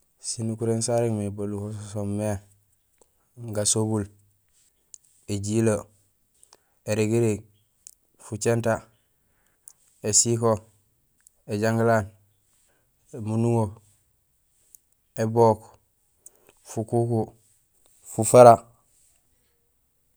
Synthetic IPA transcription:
sinukuɾensaɾekmebolukossomːe | ŋɡasobul | eɟilo | eɾeɡeɾe | fut͡ʃenta | esiko | eɟaŋɡilan | emunuŋo | ebok | fukuku | fufaɾa

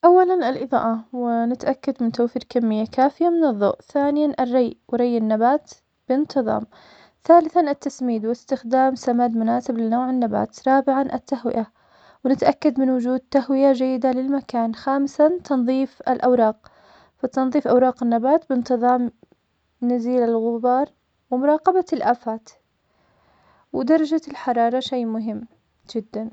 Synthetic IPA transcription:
ʔawːalanalʔɨðˤɑ̰ːʔɑwɪnɪt̪ʔakːad̪mɪnt̪awfiːɾkamːɪjːakaːfɪjamɪnɨðˤːo̰ʔθaːnɪjanʔarːɑjʔwɾˤɑjːɪnːabaːt̪ | b̥ɪnt̪ɨðˤɑ̰ːm | θaːlɪθanat̪ːasmiːd̪wɪst̪ɪxd̪aːmsamaːd̪mʊnaːsɪblɪnoːʕɪnːaba̰ːt̪ɾˤɑːbɪʕanʔat̪ːahwɪ̰ʔa | wnɪt̪aʔakːad̪mɪnwʊd͡ʒuːd̪̚t̪ːaɦwɪjad͡ʒajːɪd̪alɪlmakaːnxaːmsant̪ʰɑnðˤiːfa̰lʔawɾˤɑːq̚ | fat̪ɑnðˤiːfʔɑwɾˤɑːqɪnːabaːt̪bɪnt̪ɨðˤɑːm | naziːlalɣʊbɑːɾˤ | wɪmʊɾˤɑːqɑbalʔaːfaːt̪ | wɪd̪ɑɾˤɑd͡ʒalħɑɾˤɑːɾˤɑʃejːmʊɦɪmː | d͡ʒɪd̪ːan

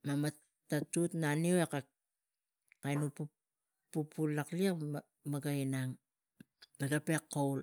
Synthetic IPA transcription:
mama | tːatutnanioeka | kajnupu | pupulːaklia | maɡainaŋ | maɡape̞kːowl

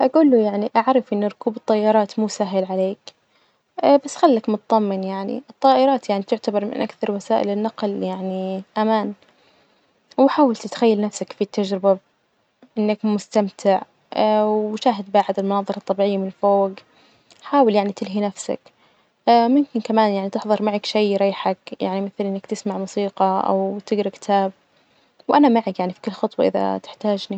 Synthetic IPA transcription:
ʔaɡuːlːujaʕniʔaʕɾˤɑfʔɪnːaɾʊkuːbt̪ˤːɑjːɑɾˤɑːt̪muːsaɦɪlʕaleːkː | basːxalːakmʊt̪ɑðˤɑmːɪnjaʕnḭʔɨt̪ˤːɑːʔɪɾˤɑːt̪jaʕnit̪ʊʕt̪abɑɾˤmɪ̰nʔakθɑɾˤwasaːʔɪ̰lɪnːɑqljaʕniʔamaːn | wɪħaːwalt̪t̪xajːalnafsakfit̪ːad͡ʒɾɪba | ʔɪnːakmʊst̪amt̪ʰɪʕ | ʃaːɦɪd̪̚baːʕɪd̪ɪlmʊnɑːðˤɨɾˤɑt̪ˤːɑbiːʕɪjːamɪnlfoːɡ | ħaːwaljaʕnit̪ɪlɦinafsa̰kː | mʊmkɪnkamaːnjaʕnit̪ɪħðˤɨɾmaʕakʃijɾˤɑjːħakja̰ʕnimɪθlʔɪnːakt̪ɪsmaʕmʊsiːqɑʔa̰wt̪ɪɡɾkɪ̥t̪ʰaːb̚ | wʔanamaʕakjaʕnifi̥kʊlːxɑt̪ˤwɑʔɪ̰ða̰t̪ɪ̥ħt̪aːd͡ʒni

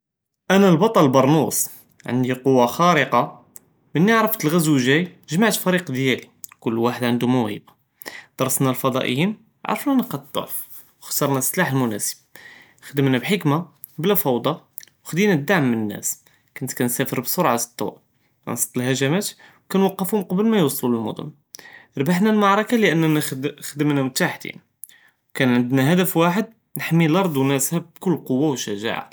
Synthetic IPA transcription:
ʔænælbɑt̪ˤɑlbɑɾˤnus | ʕə̰nd̪iqowːaxæɾəqɑ | mənːiʕɾəft̪əlɣæzwuʒæjʒmaʕt̪fæɾiqd̪jæli | kʊlːwaħəd̪ʕənd̪umæwhḭba | d̪̥ɑɾˤsˤnælfɑd̪ˤɑ̰ʔə̰jːim | ʕa̰ɾˤəfnænəqɑd̪̚d̪ˤo̰ʕf | wxt̪ɑɾˤnæslaħəlmʊnæ̰sə̥b̥̚ | xd̪əmnæbħəkma | blæfɑwd̪ˤɑ | wəxd̪inæd̪ːaʕmːənənːæ̰s | kʊnt̪kænsæfəɾbsoɾˤʕast̪ˤːɑ̰ | æ̰nsɑ̥t̪ˤːəlhæʒæmæt̪wkænwɑqːəfhʊmqɑbəlmæjwɑsˤːluləlmʊ̰d̪ʊ̰m | ɾˤbaħnælmɑʕɾˤɑkaləʔənːxd̪əmnæmt̪aħt̪ḭn | wkænʕənd̪næɦæd̪əfwaħəd̪ | nəħmːilɑɾˤd̪ˤwnæshæbkʊlːqowːawʃæʒa̰ʕa̰

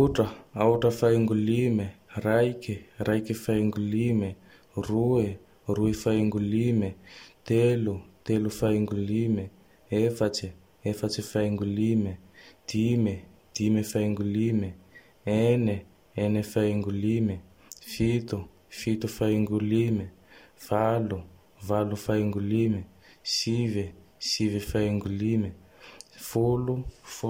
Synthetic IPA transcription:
uʈ͡ʂaauʈ͡ʂəfaiŋɡulimerajkirajkifajŋɡulime | rue | ruefaiŋɡulimet̪elut̪elufajŋɡulime | efat͡ʃi | efat͡ʃifajŋɡulimed̪̥imed̪̥imefajŋɡulime | ene | enefaiŋɡulime | fit̪u | fit̪ufajiŋɡulime | v̥alu | valufajŋɡulime | sivesivifajŋɡulime | fuluf

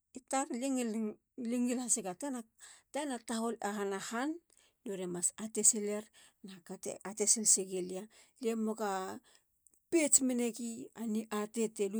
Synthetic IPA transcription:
itaɾliŋl | liŋilhasiɡatena | tanataɦo̞lehanahanː | oɾemasateseleɾ | nakatḛatesilseɡelia | liemoka | pet͡ʃmenekianiʔate̞telu

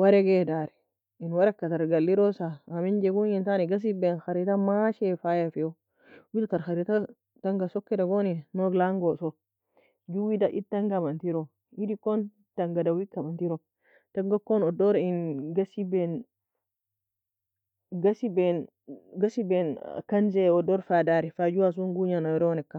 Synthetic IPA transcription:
wɐɾɛɡeːdaːɾɛ̥ | ɪnwɐɾɐkːɐt̪ɐɾɡɐlːɪɾɔsaːmɪnd͡ʒɛɡuɪnt̪anɛɡɐs̬ibenxɐɾɪt̪ɐmaːʃefajɐfɛjo | wɪt̪ɐɾxɐɾit̪a | t̪ɐŋɡɐsɔkːɛdɐɡoːnɛnɔɡlaŋɡosɔ | d͡ʒuwid̪ɐʔɪt̪ːɐŋɡɐmɐnt̪iɾɔ | idikːɔn | tɐŋɡadawikːɐmantiɾɔ | taŋɡakːɔnɔdɔɾinɡasibɛn | ɡasibɛn | ɡasibɛnkɐnzɛɔdɔɾfadaɾɛfad͡ʒuwas̬uŋɡuɲanɔɾɔnɛkːa

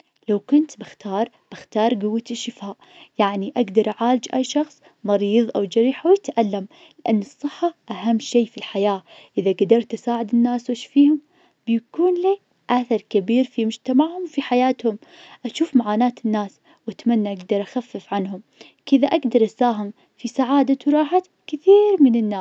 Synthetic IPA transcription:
lawkʊnt̪bɪxt̪ɑːɾˤ | b̥ɪxt̪ɑːɾˤɡʊwːat̪ɪʃɪfaːʔ | jaʕniʔaɡd̪ɑɾˤʔaʕaːlɪd͡ʒʔajʃɑxsˤ | mɑɾiːðˤʔawd͡ʒɑɾiːħawjat̪ʔalːam | lɪʔanːɨsˤːɨħːaʔaɦamːʃeːfilħajaːʔɪðaɡad̪ɑɾˤt̪ʔasaːʕɪd̪ɪnːaːswɪʃfiːhʊm | b̥jakuːnliː | ʔaθɑɾˤkabiːɾfimʊd͡ʒt̪amaʕhʊmwfiħajaːt̪hʊmʔaʃuːfmaʕaːnaːt̪ɪnːaːs | wat̪manːaʔaɡd̪ɑɾˤʔaxafːɪfʕanhʊm | kɪðaʔaɡd̪ɑɾˤʔasaːɦɪm | fisaʕaːd̪awɾˤɑːħat̪ | kɪθiːɾmɪnɪnːaː

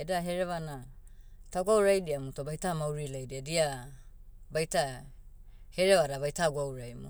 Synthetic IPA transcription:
edaɦeɾeβana | taɡuawɾajdiamutobajtamawɾilajdiadia | bajta | heɾeβaɾaβajtaɡuawɾajmṵ

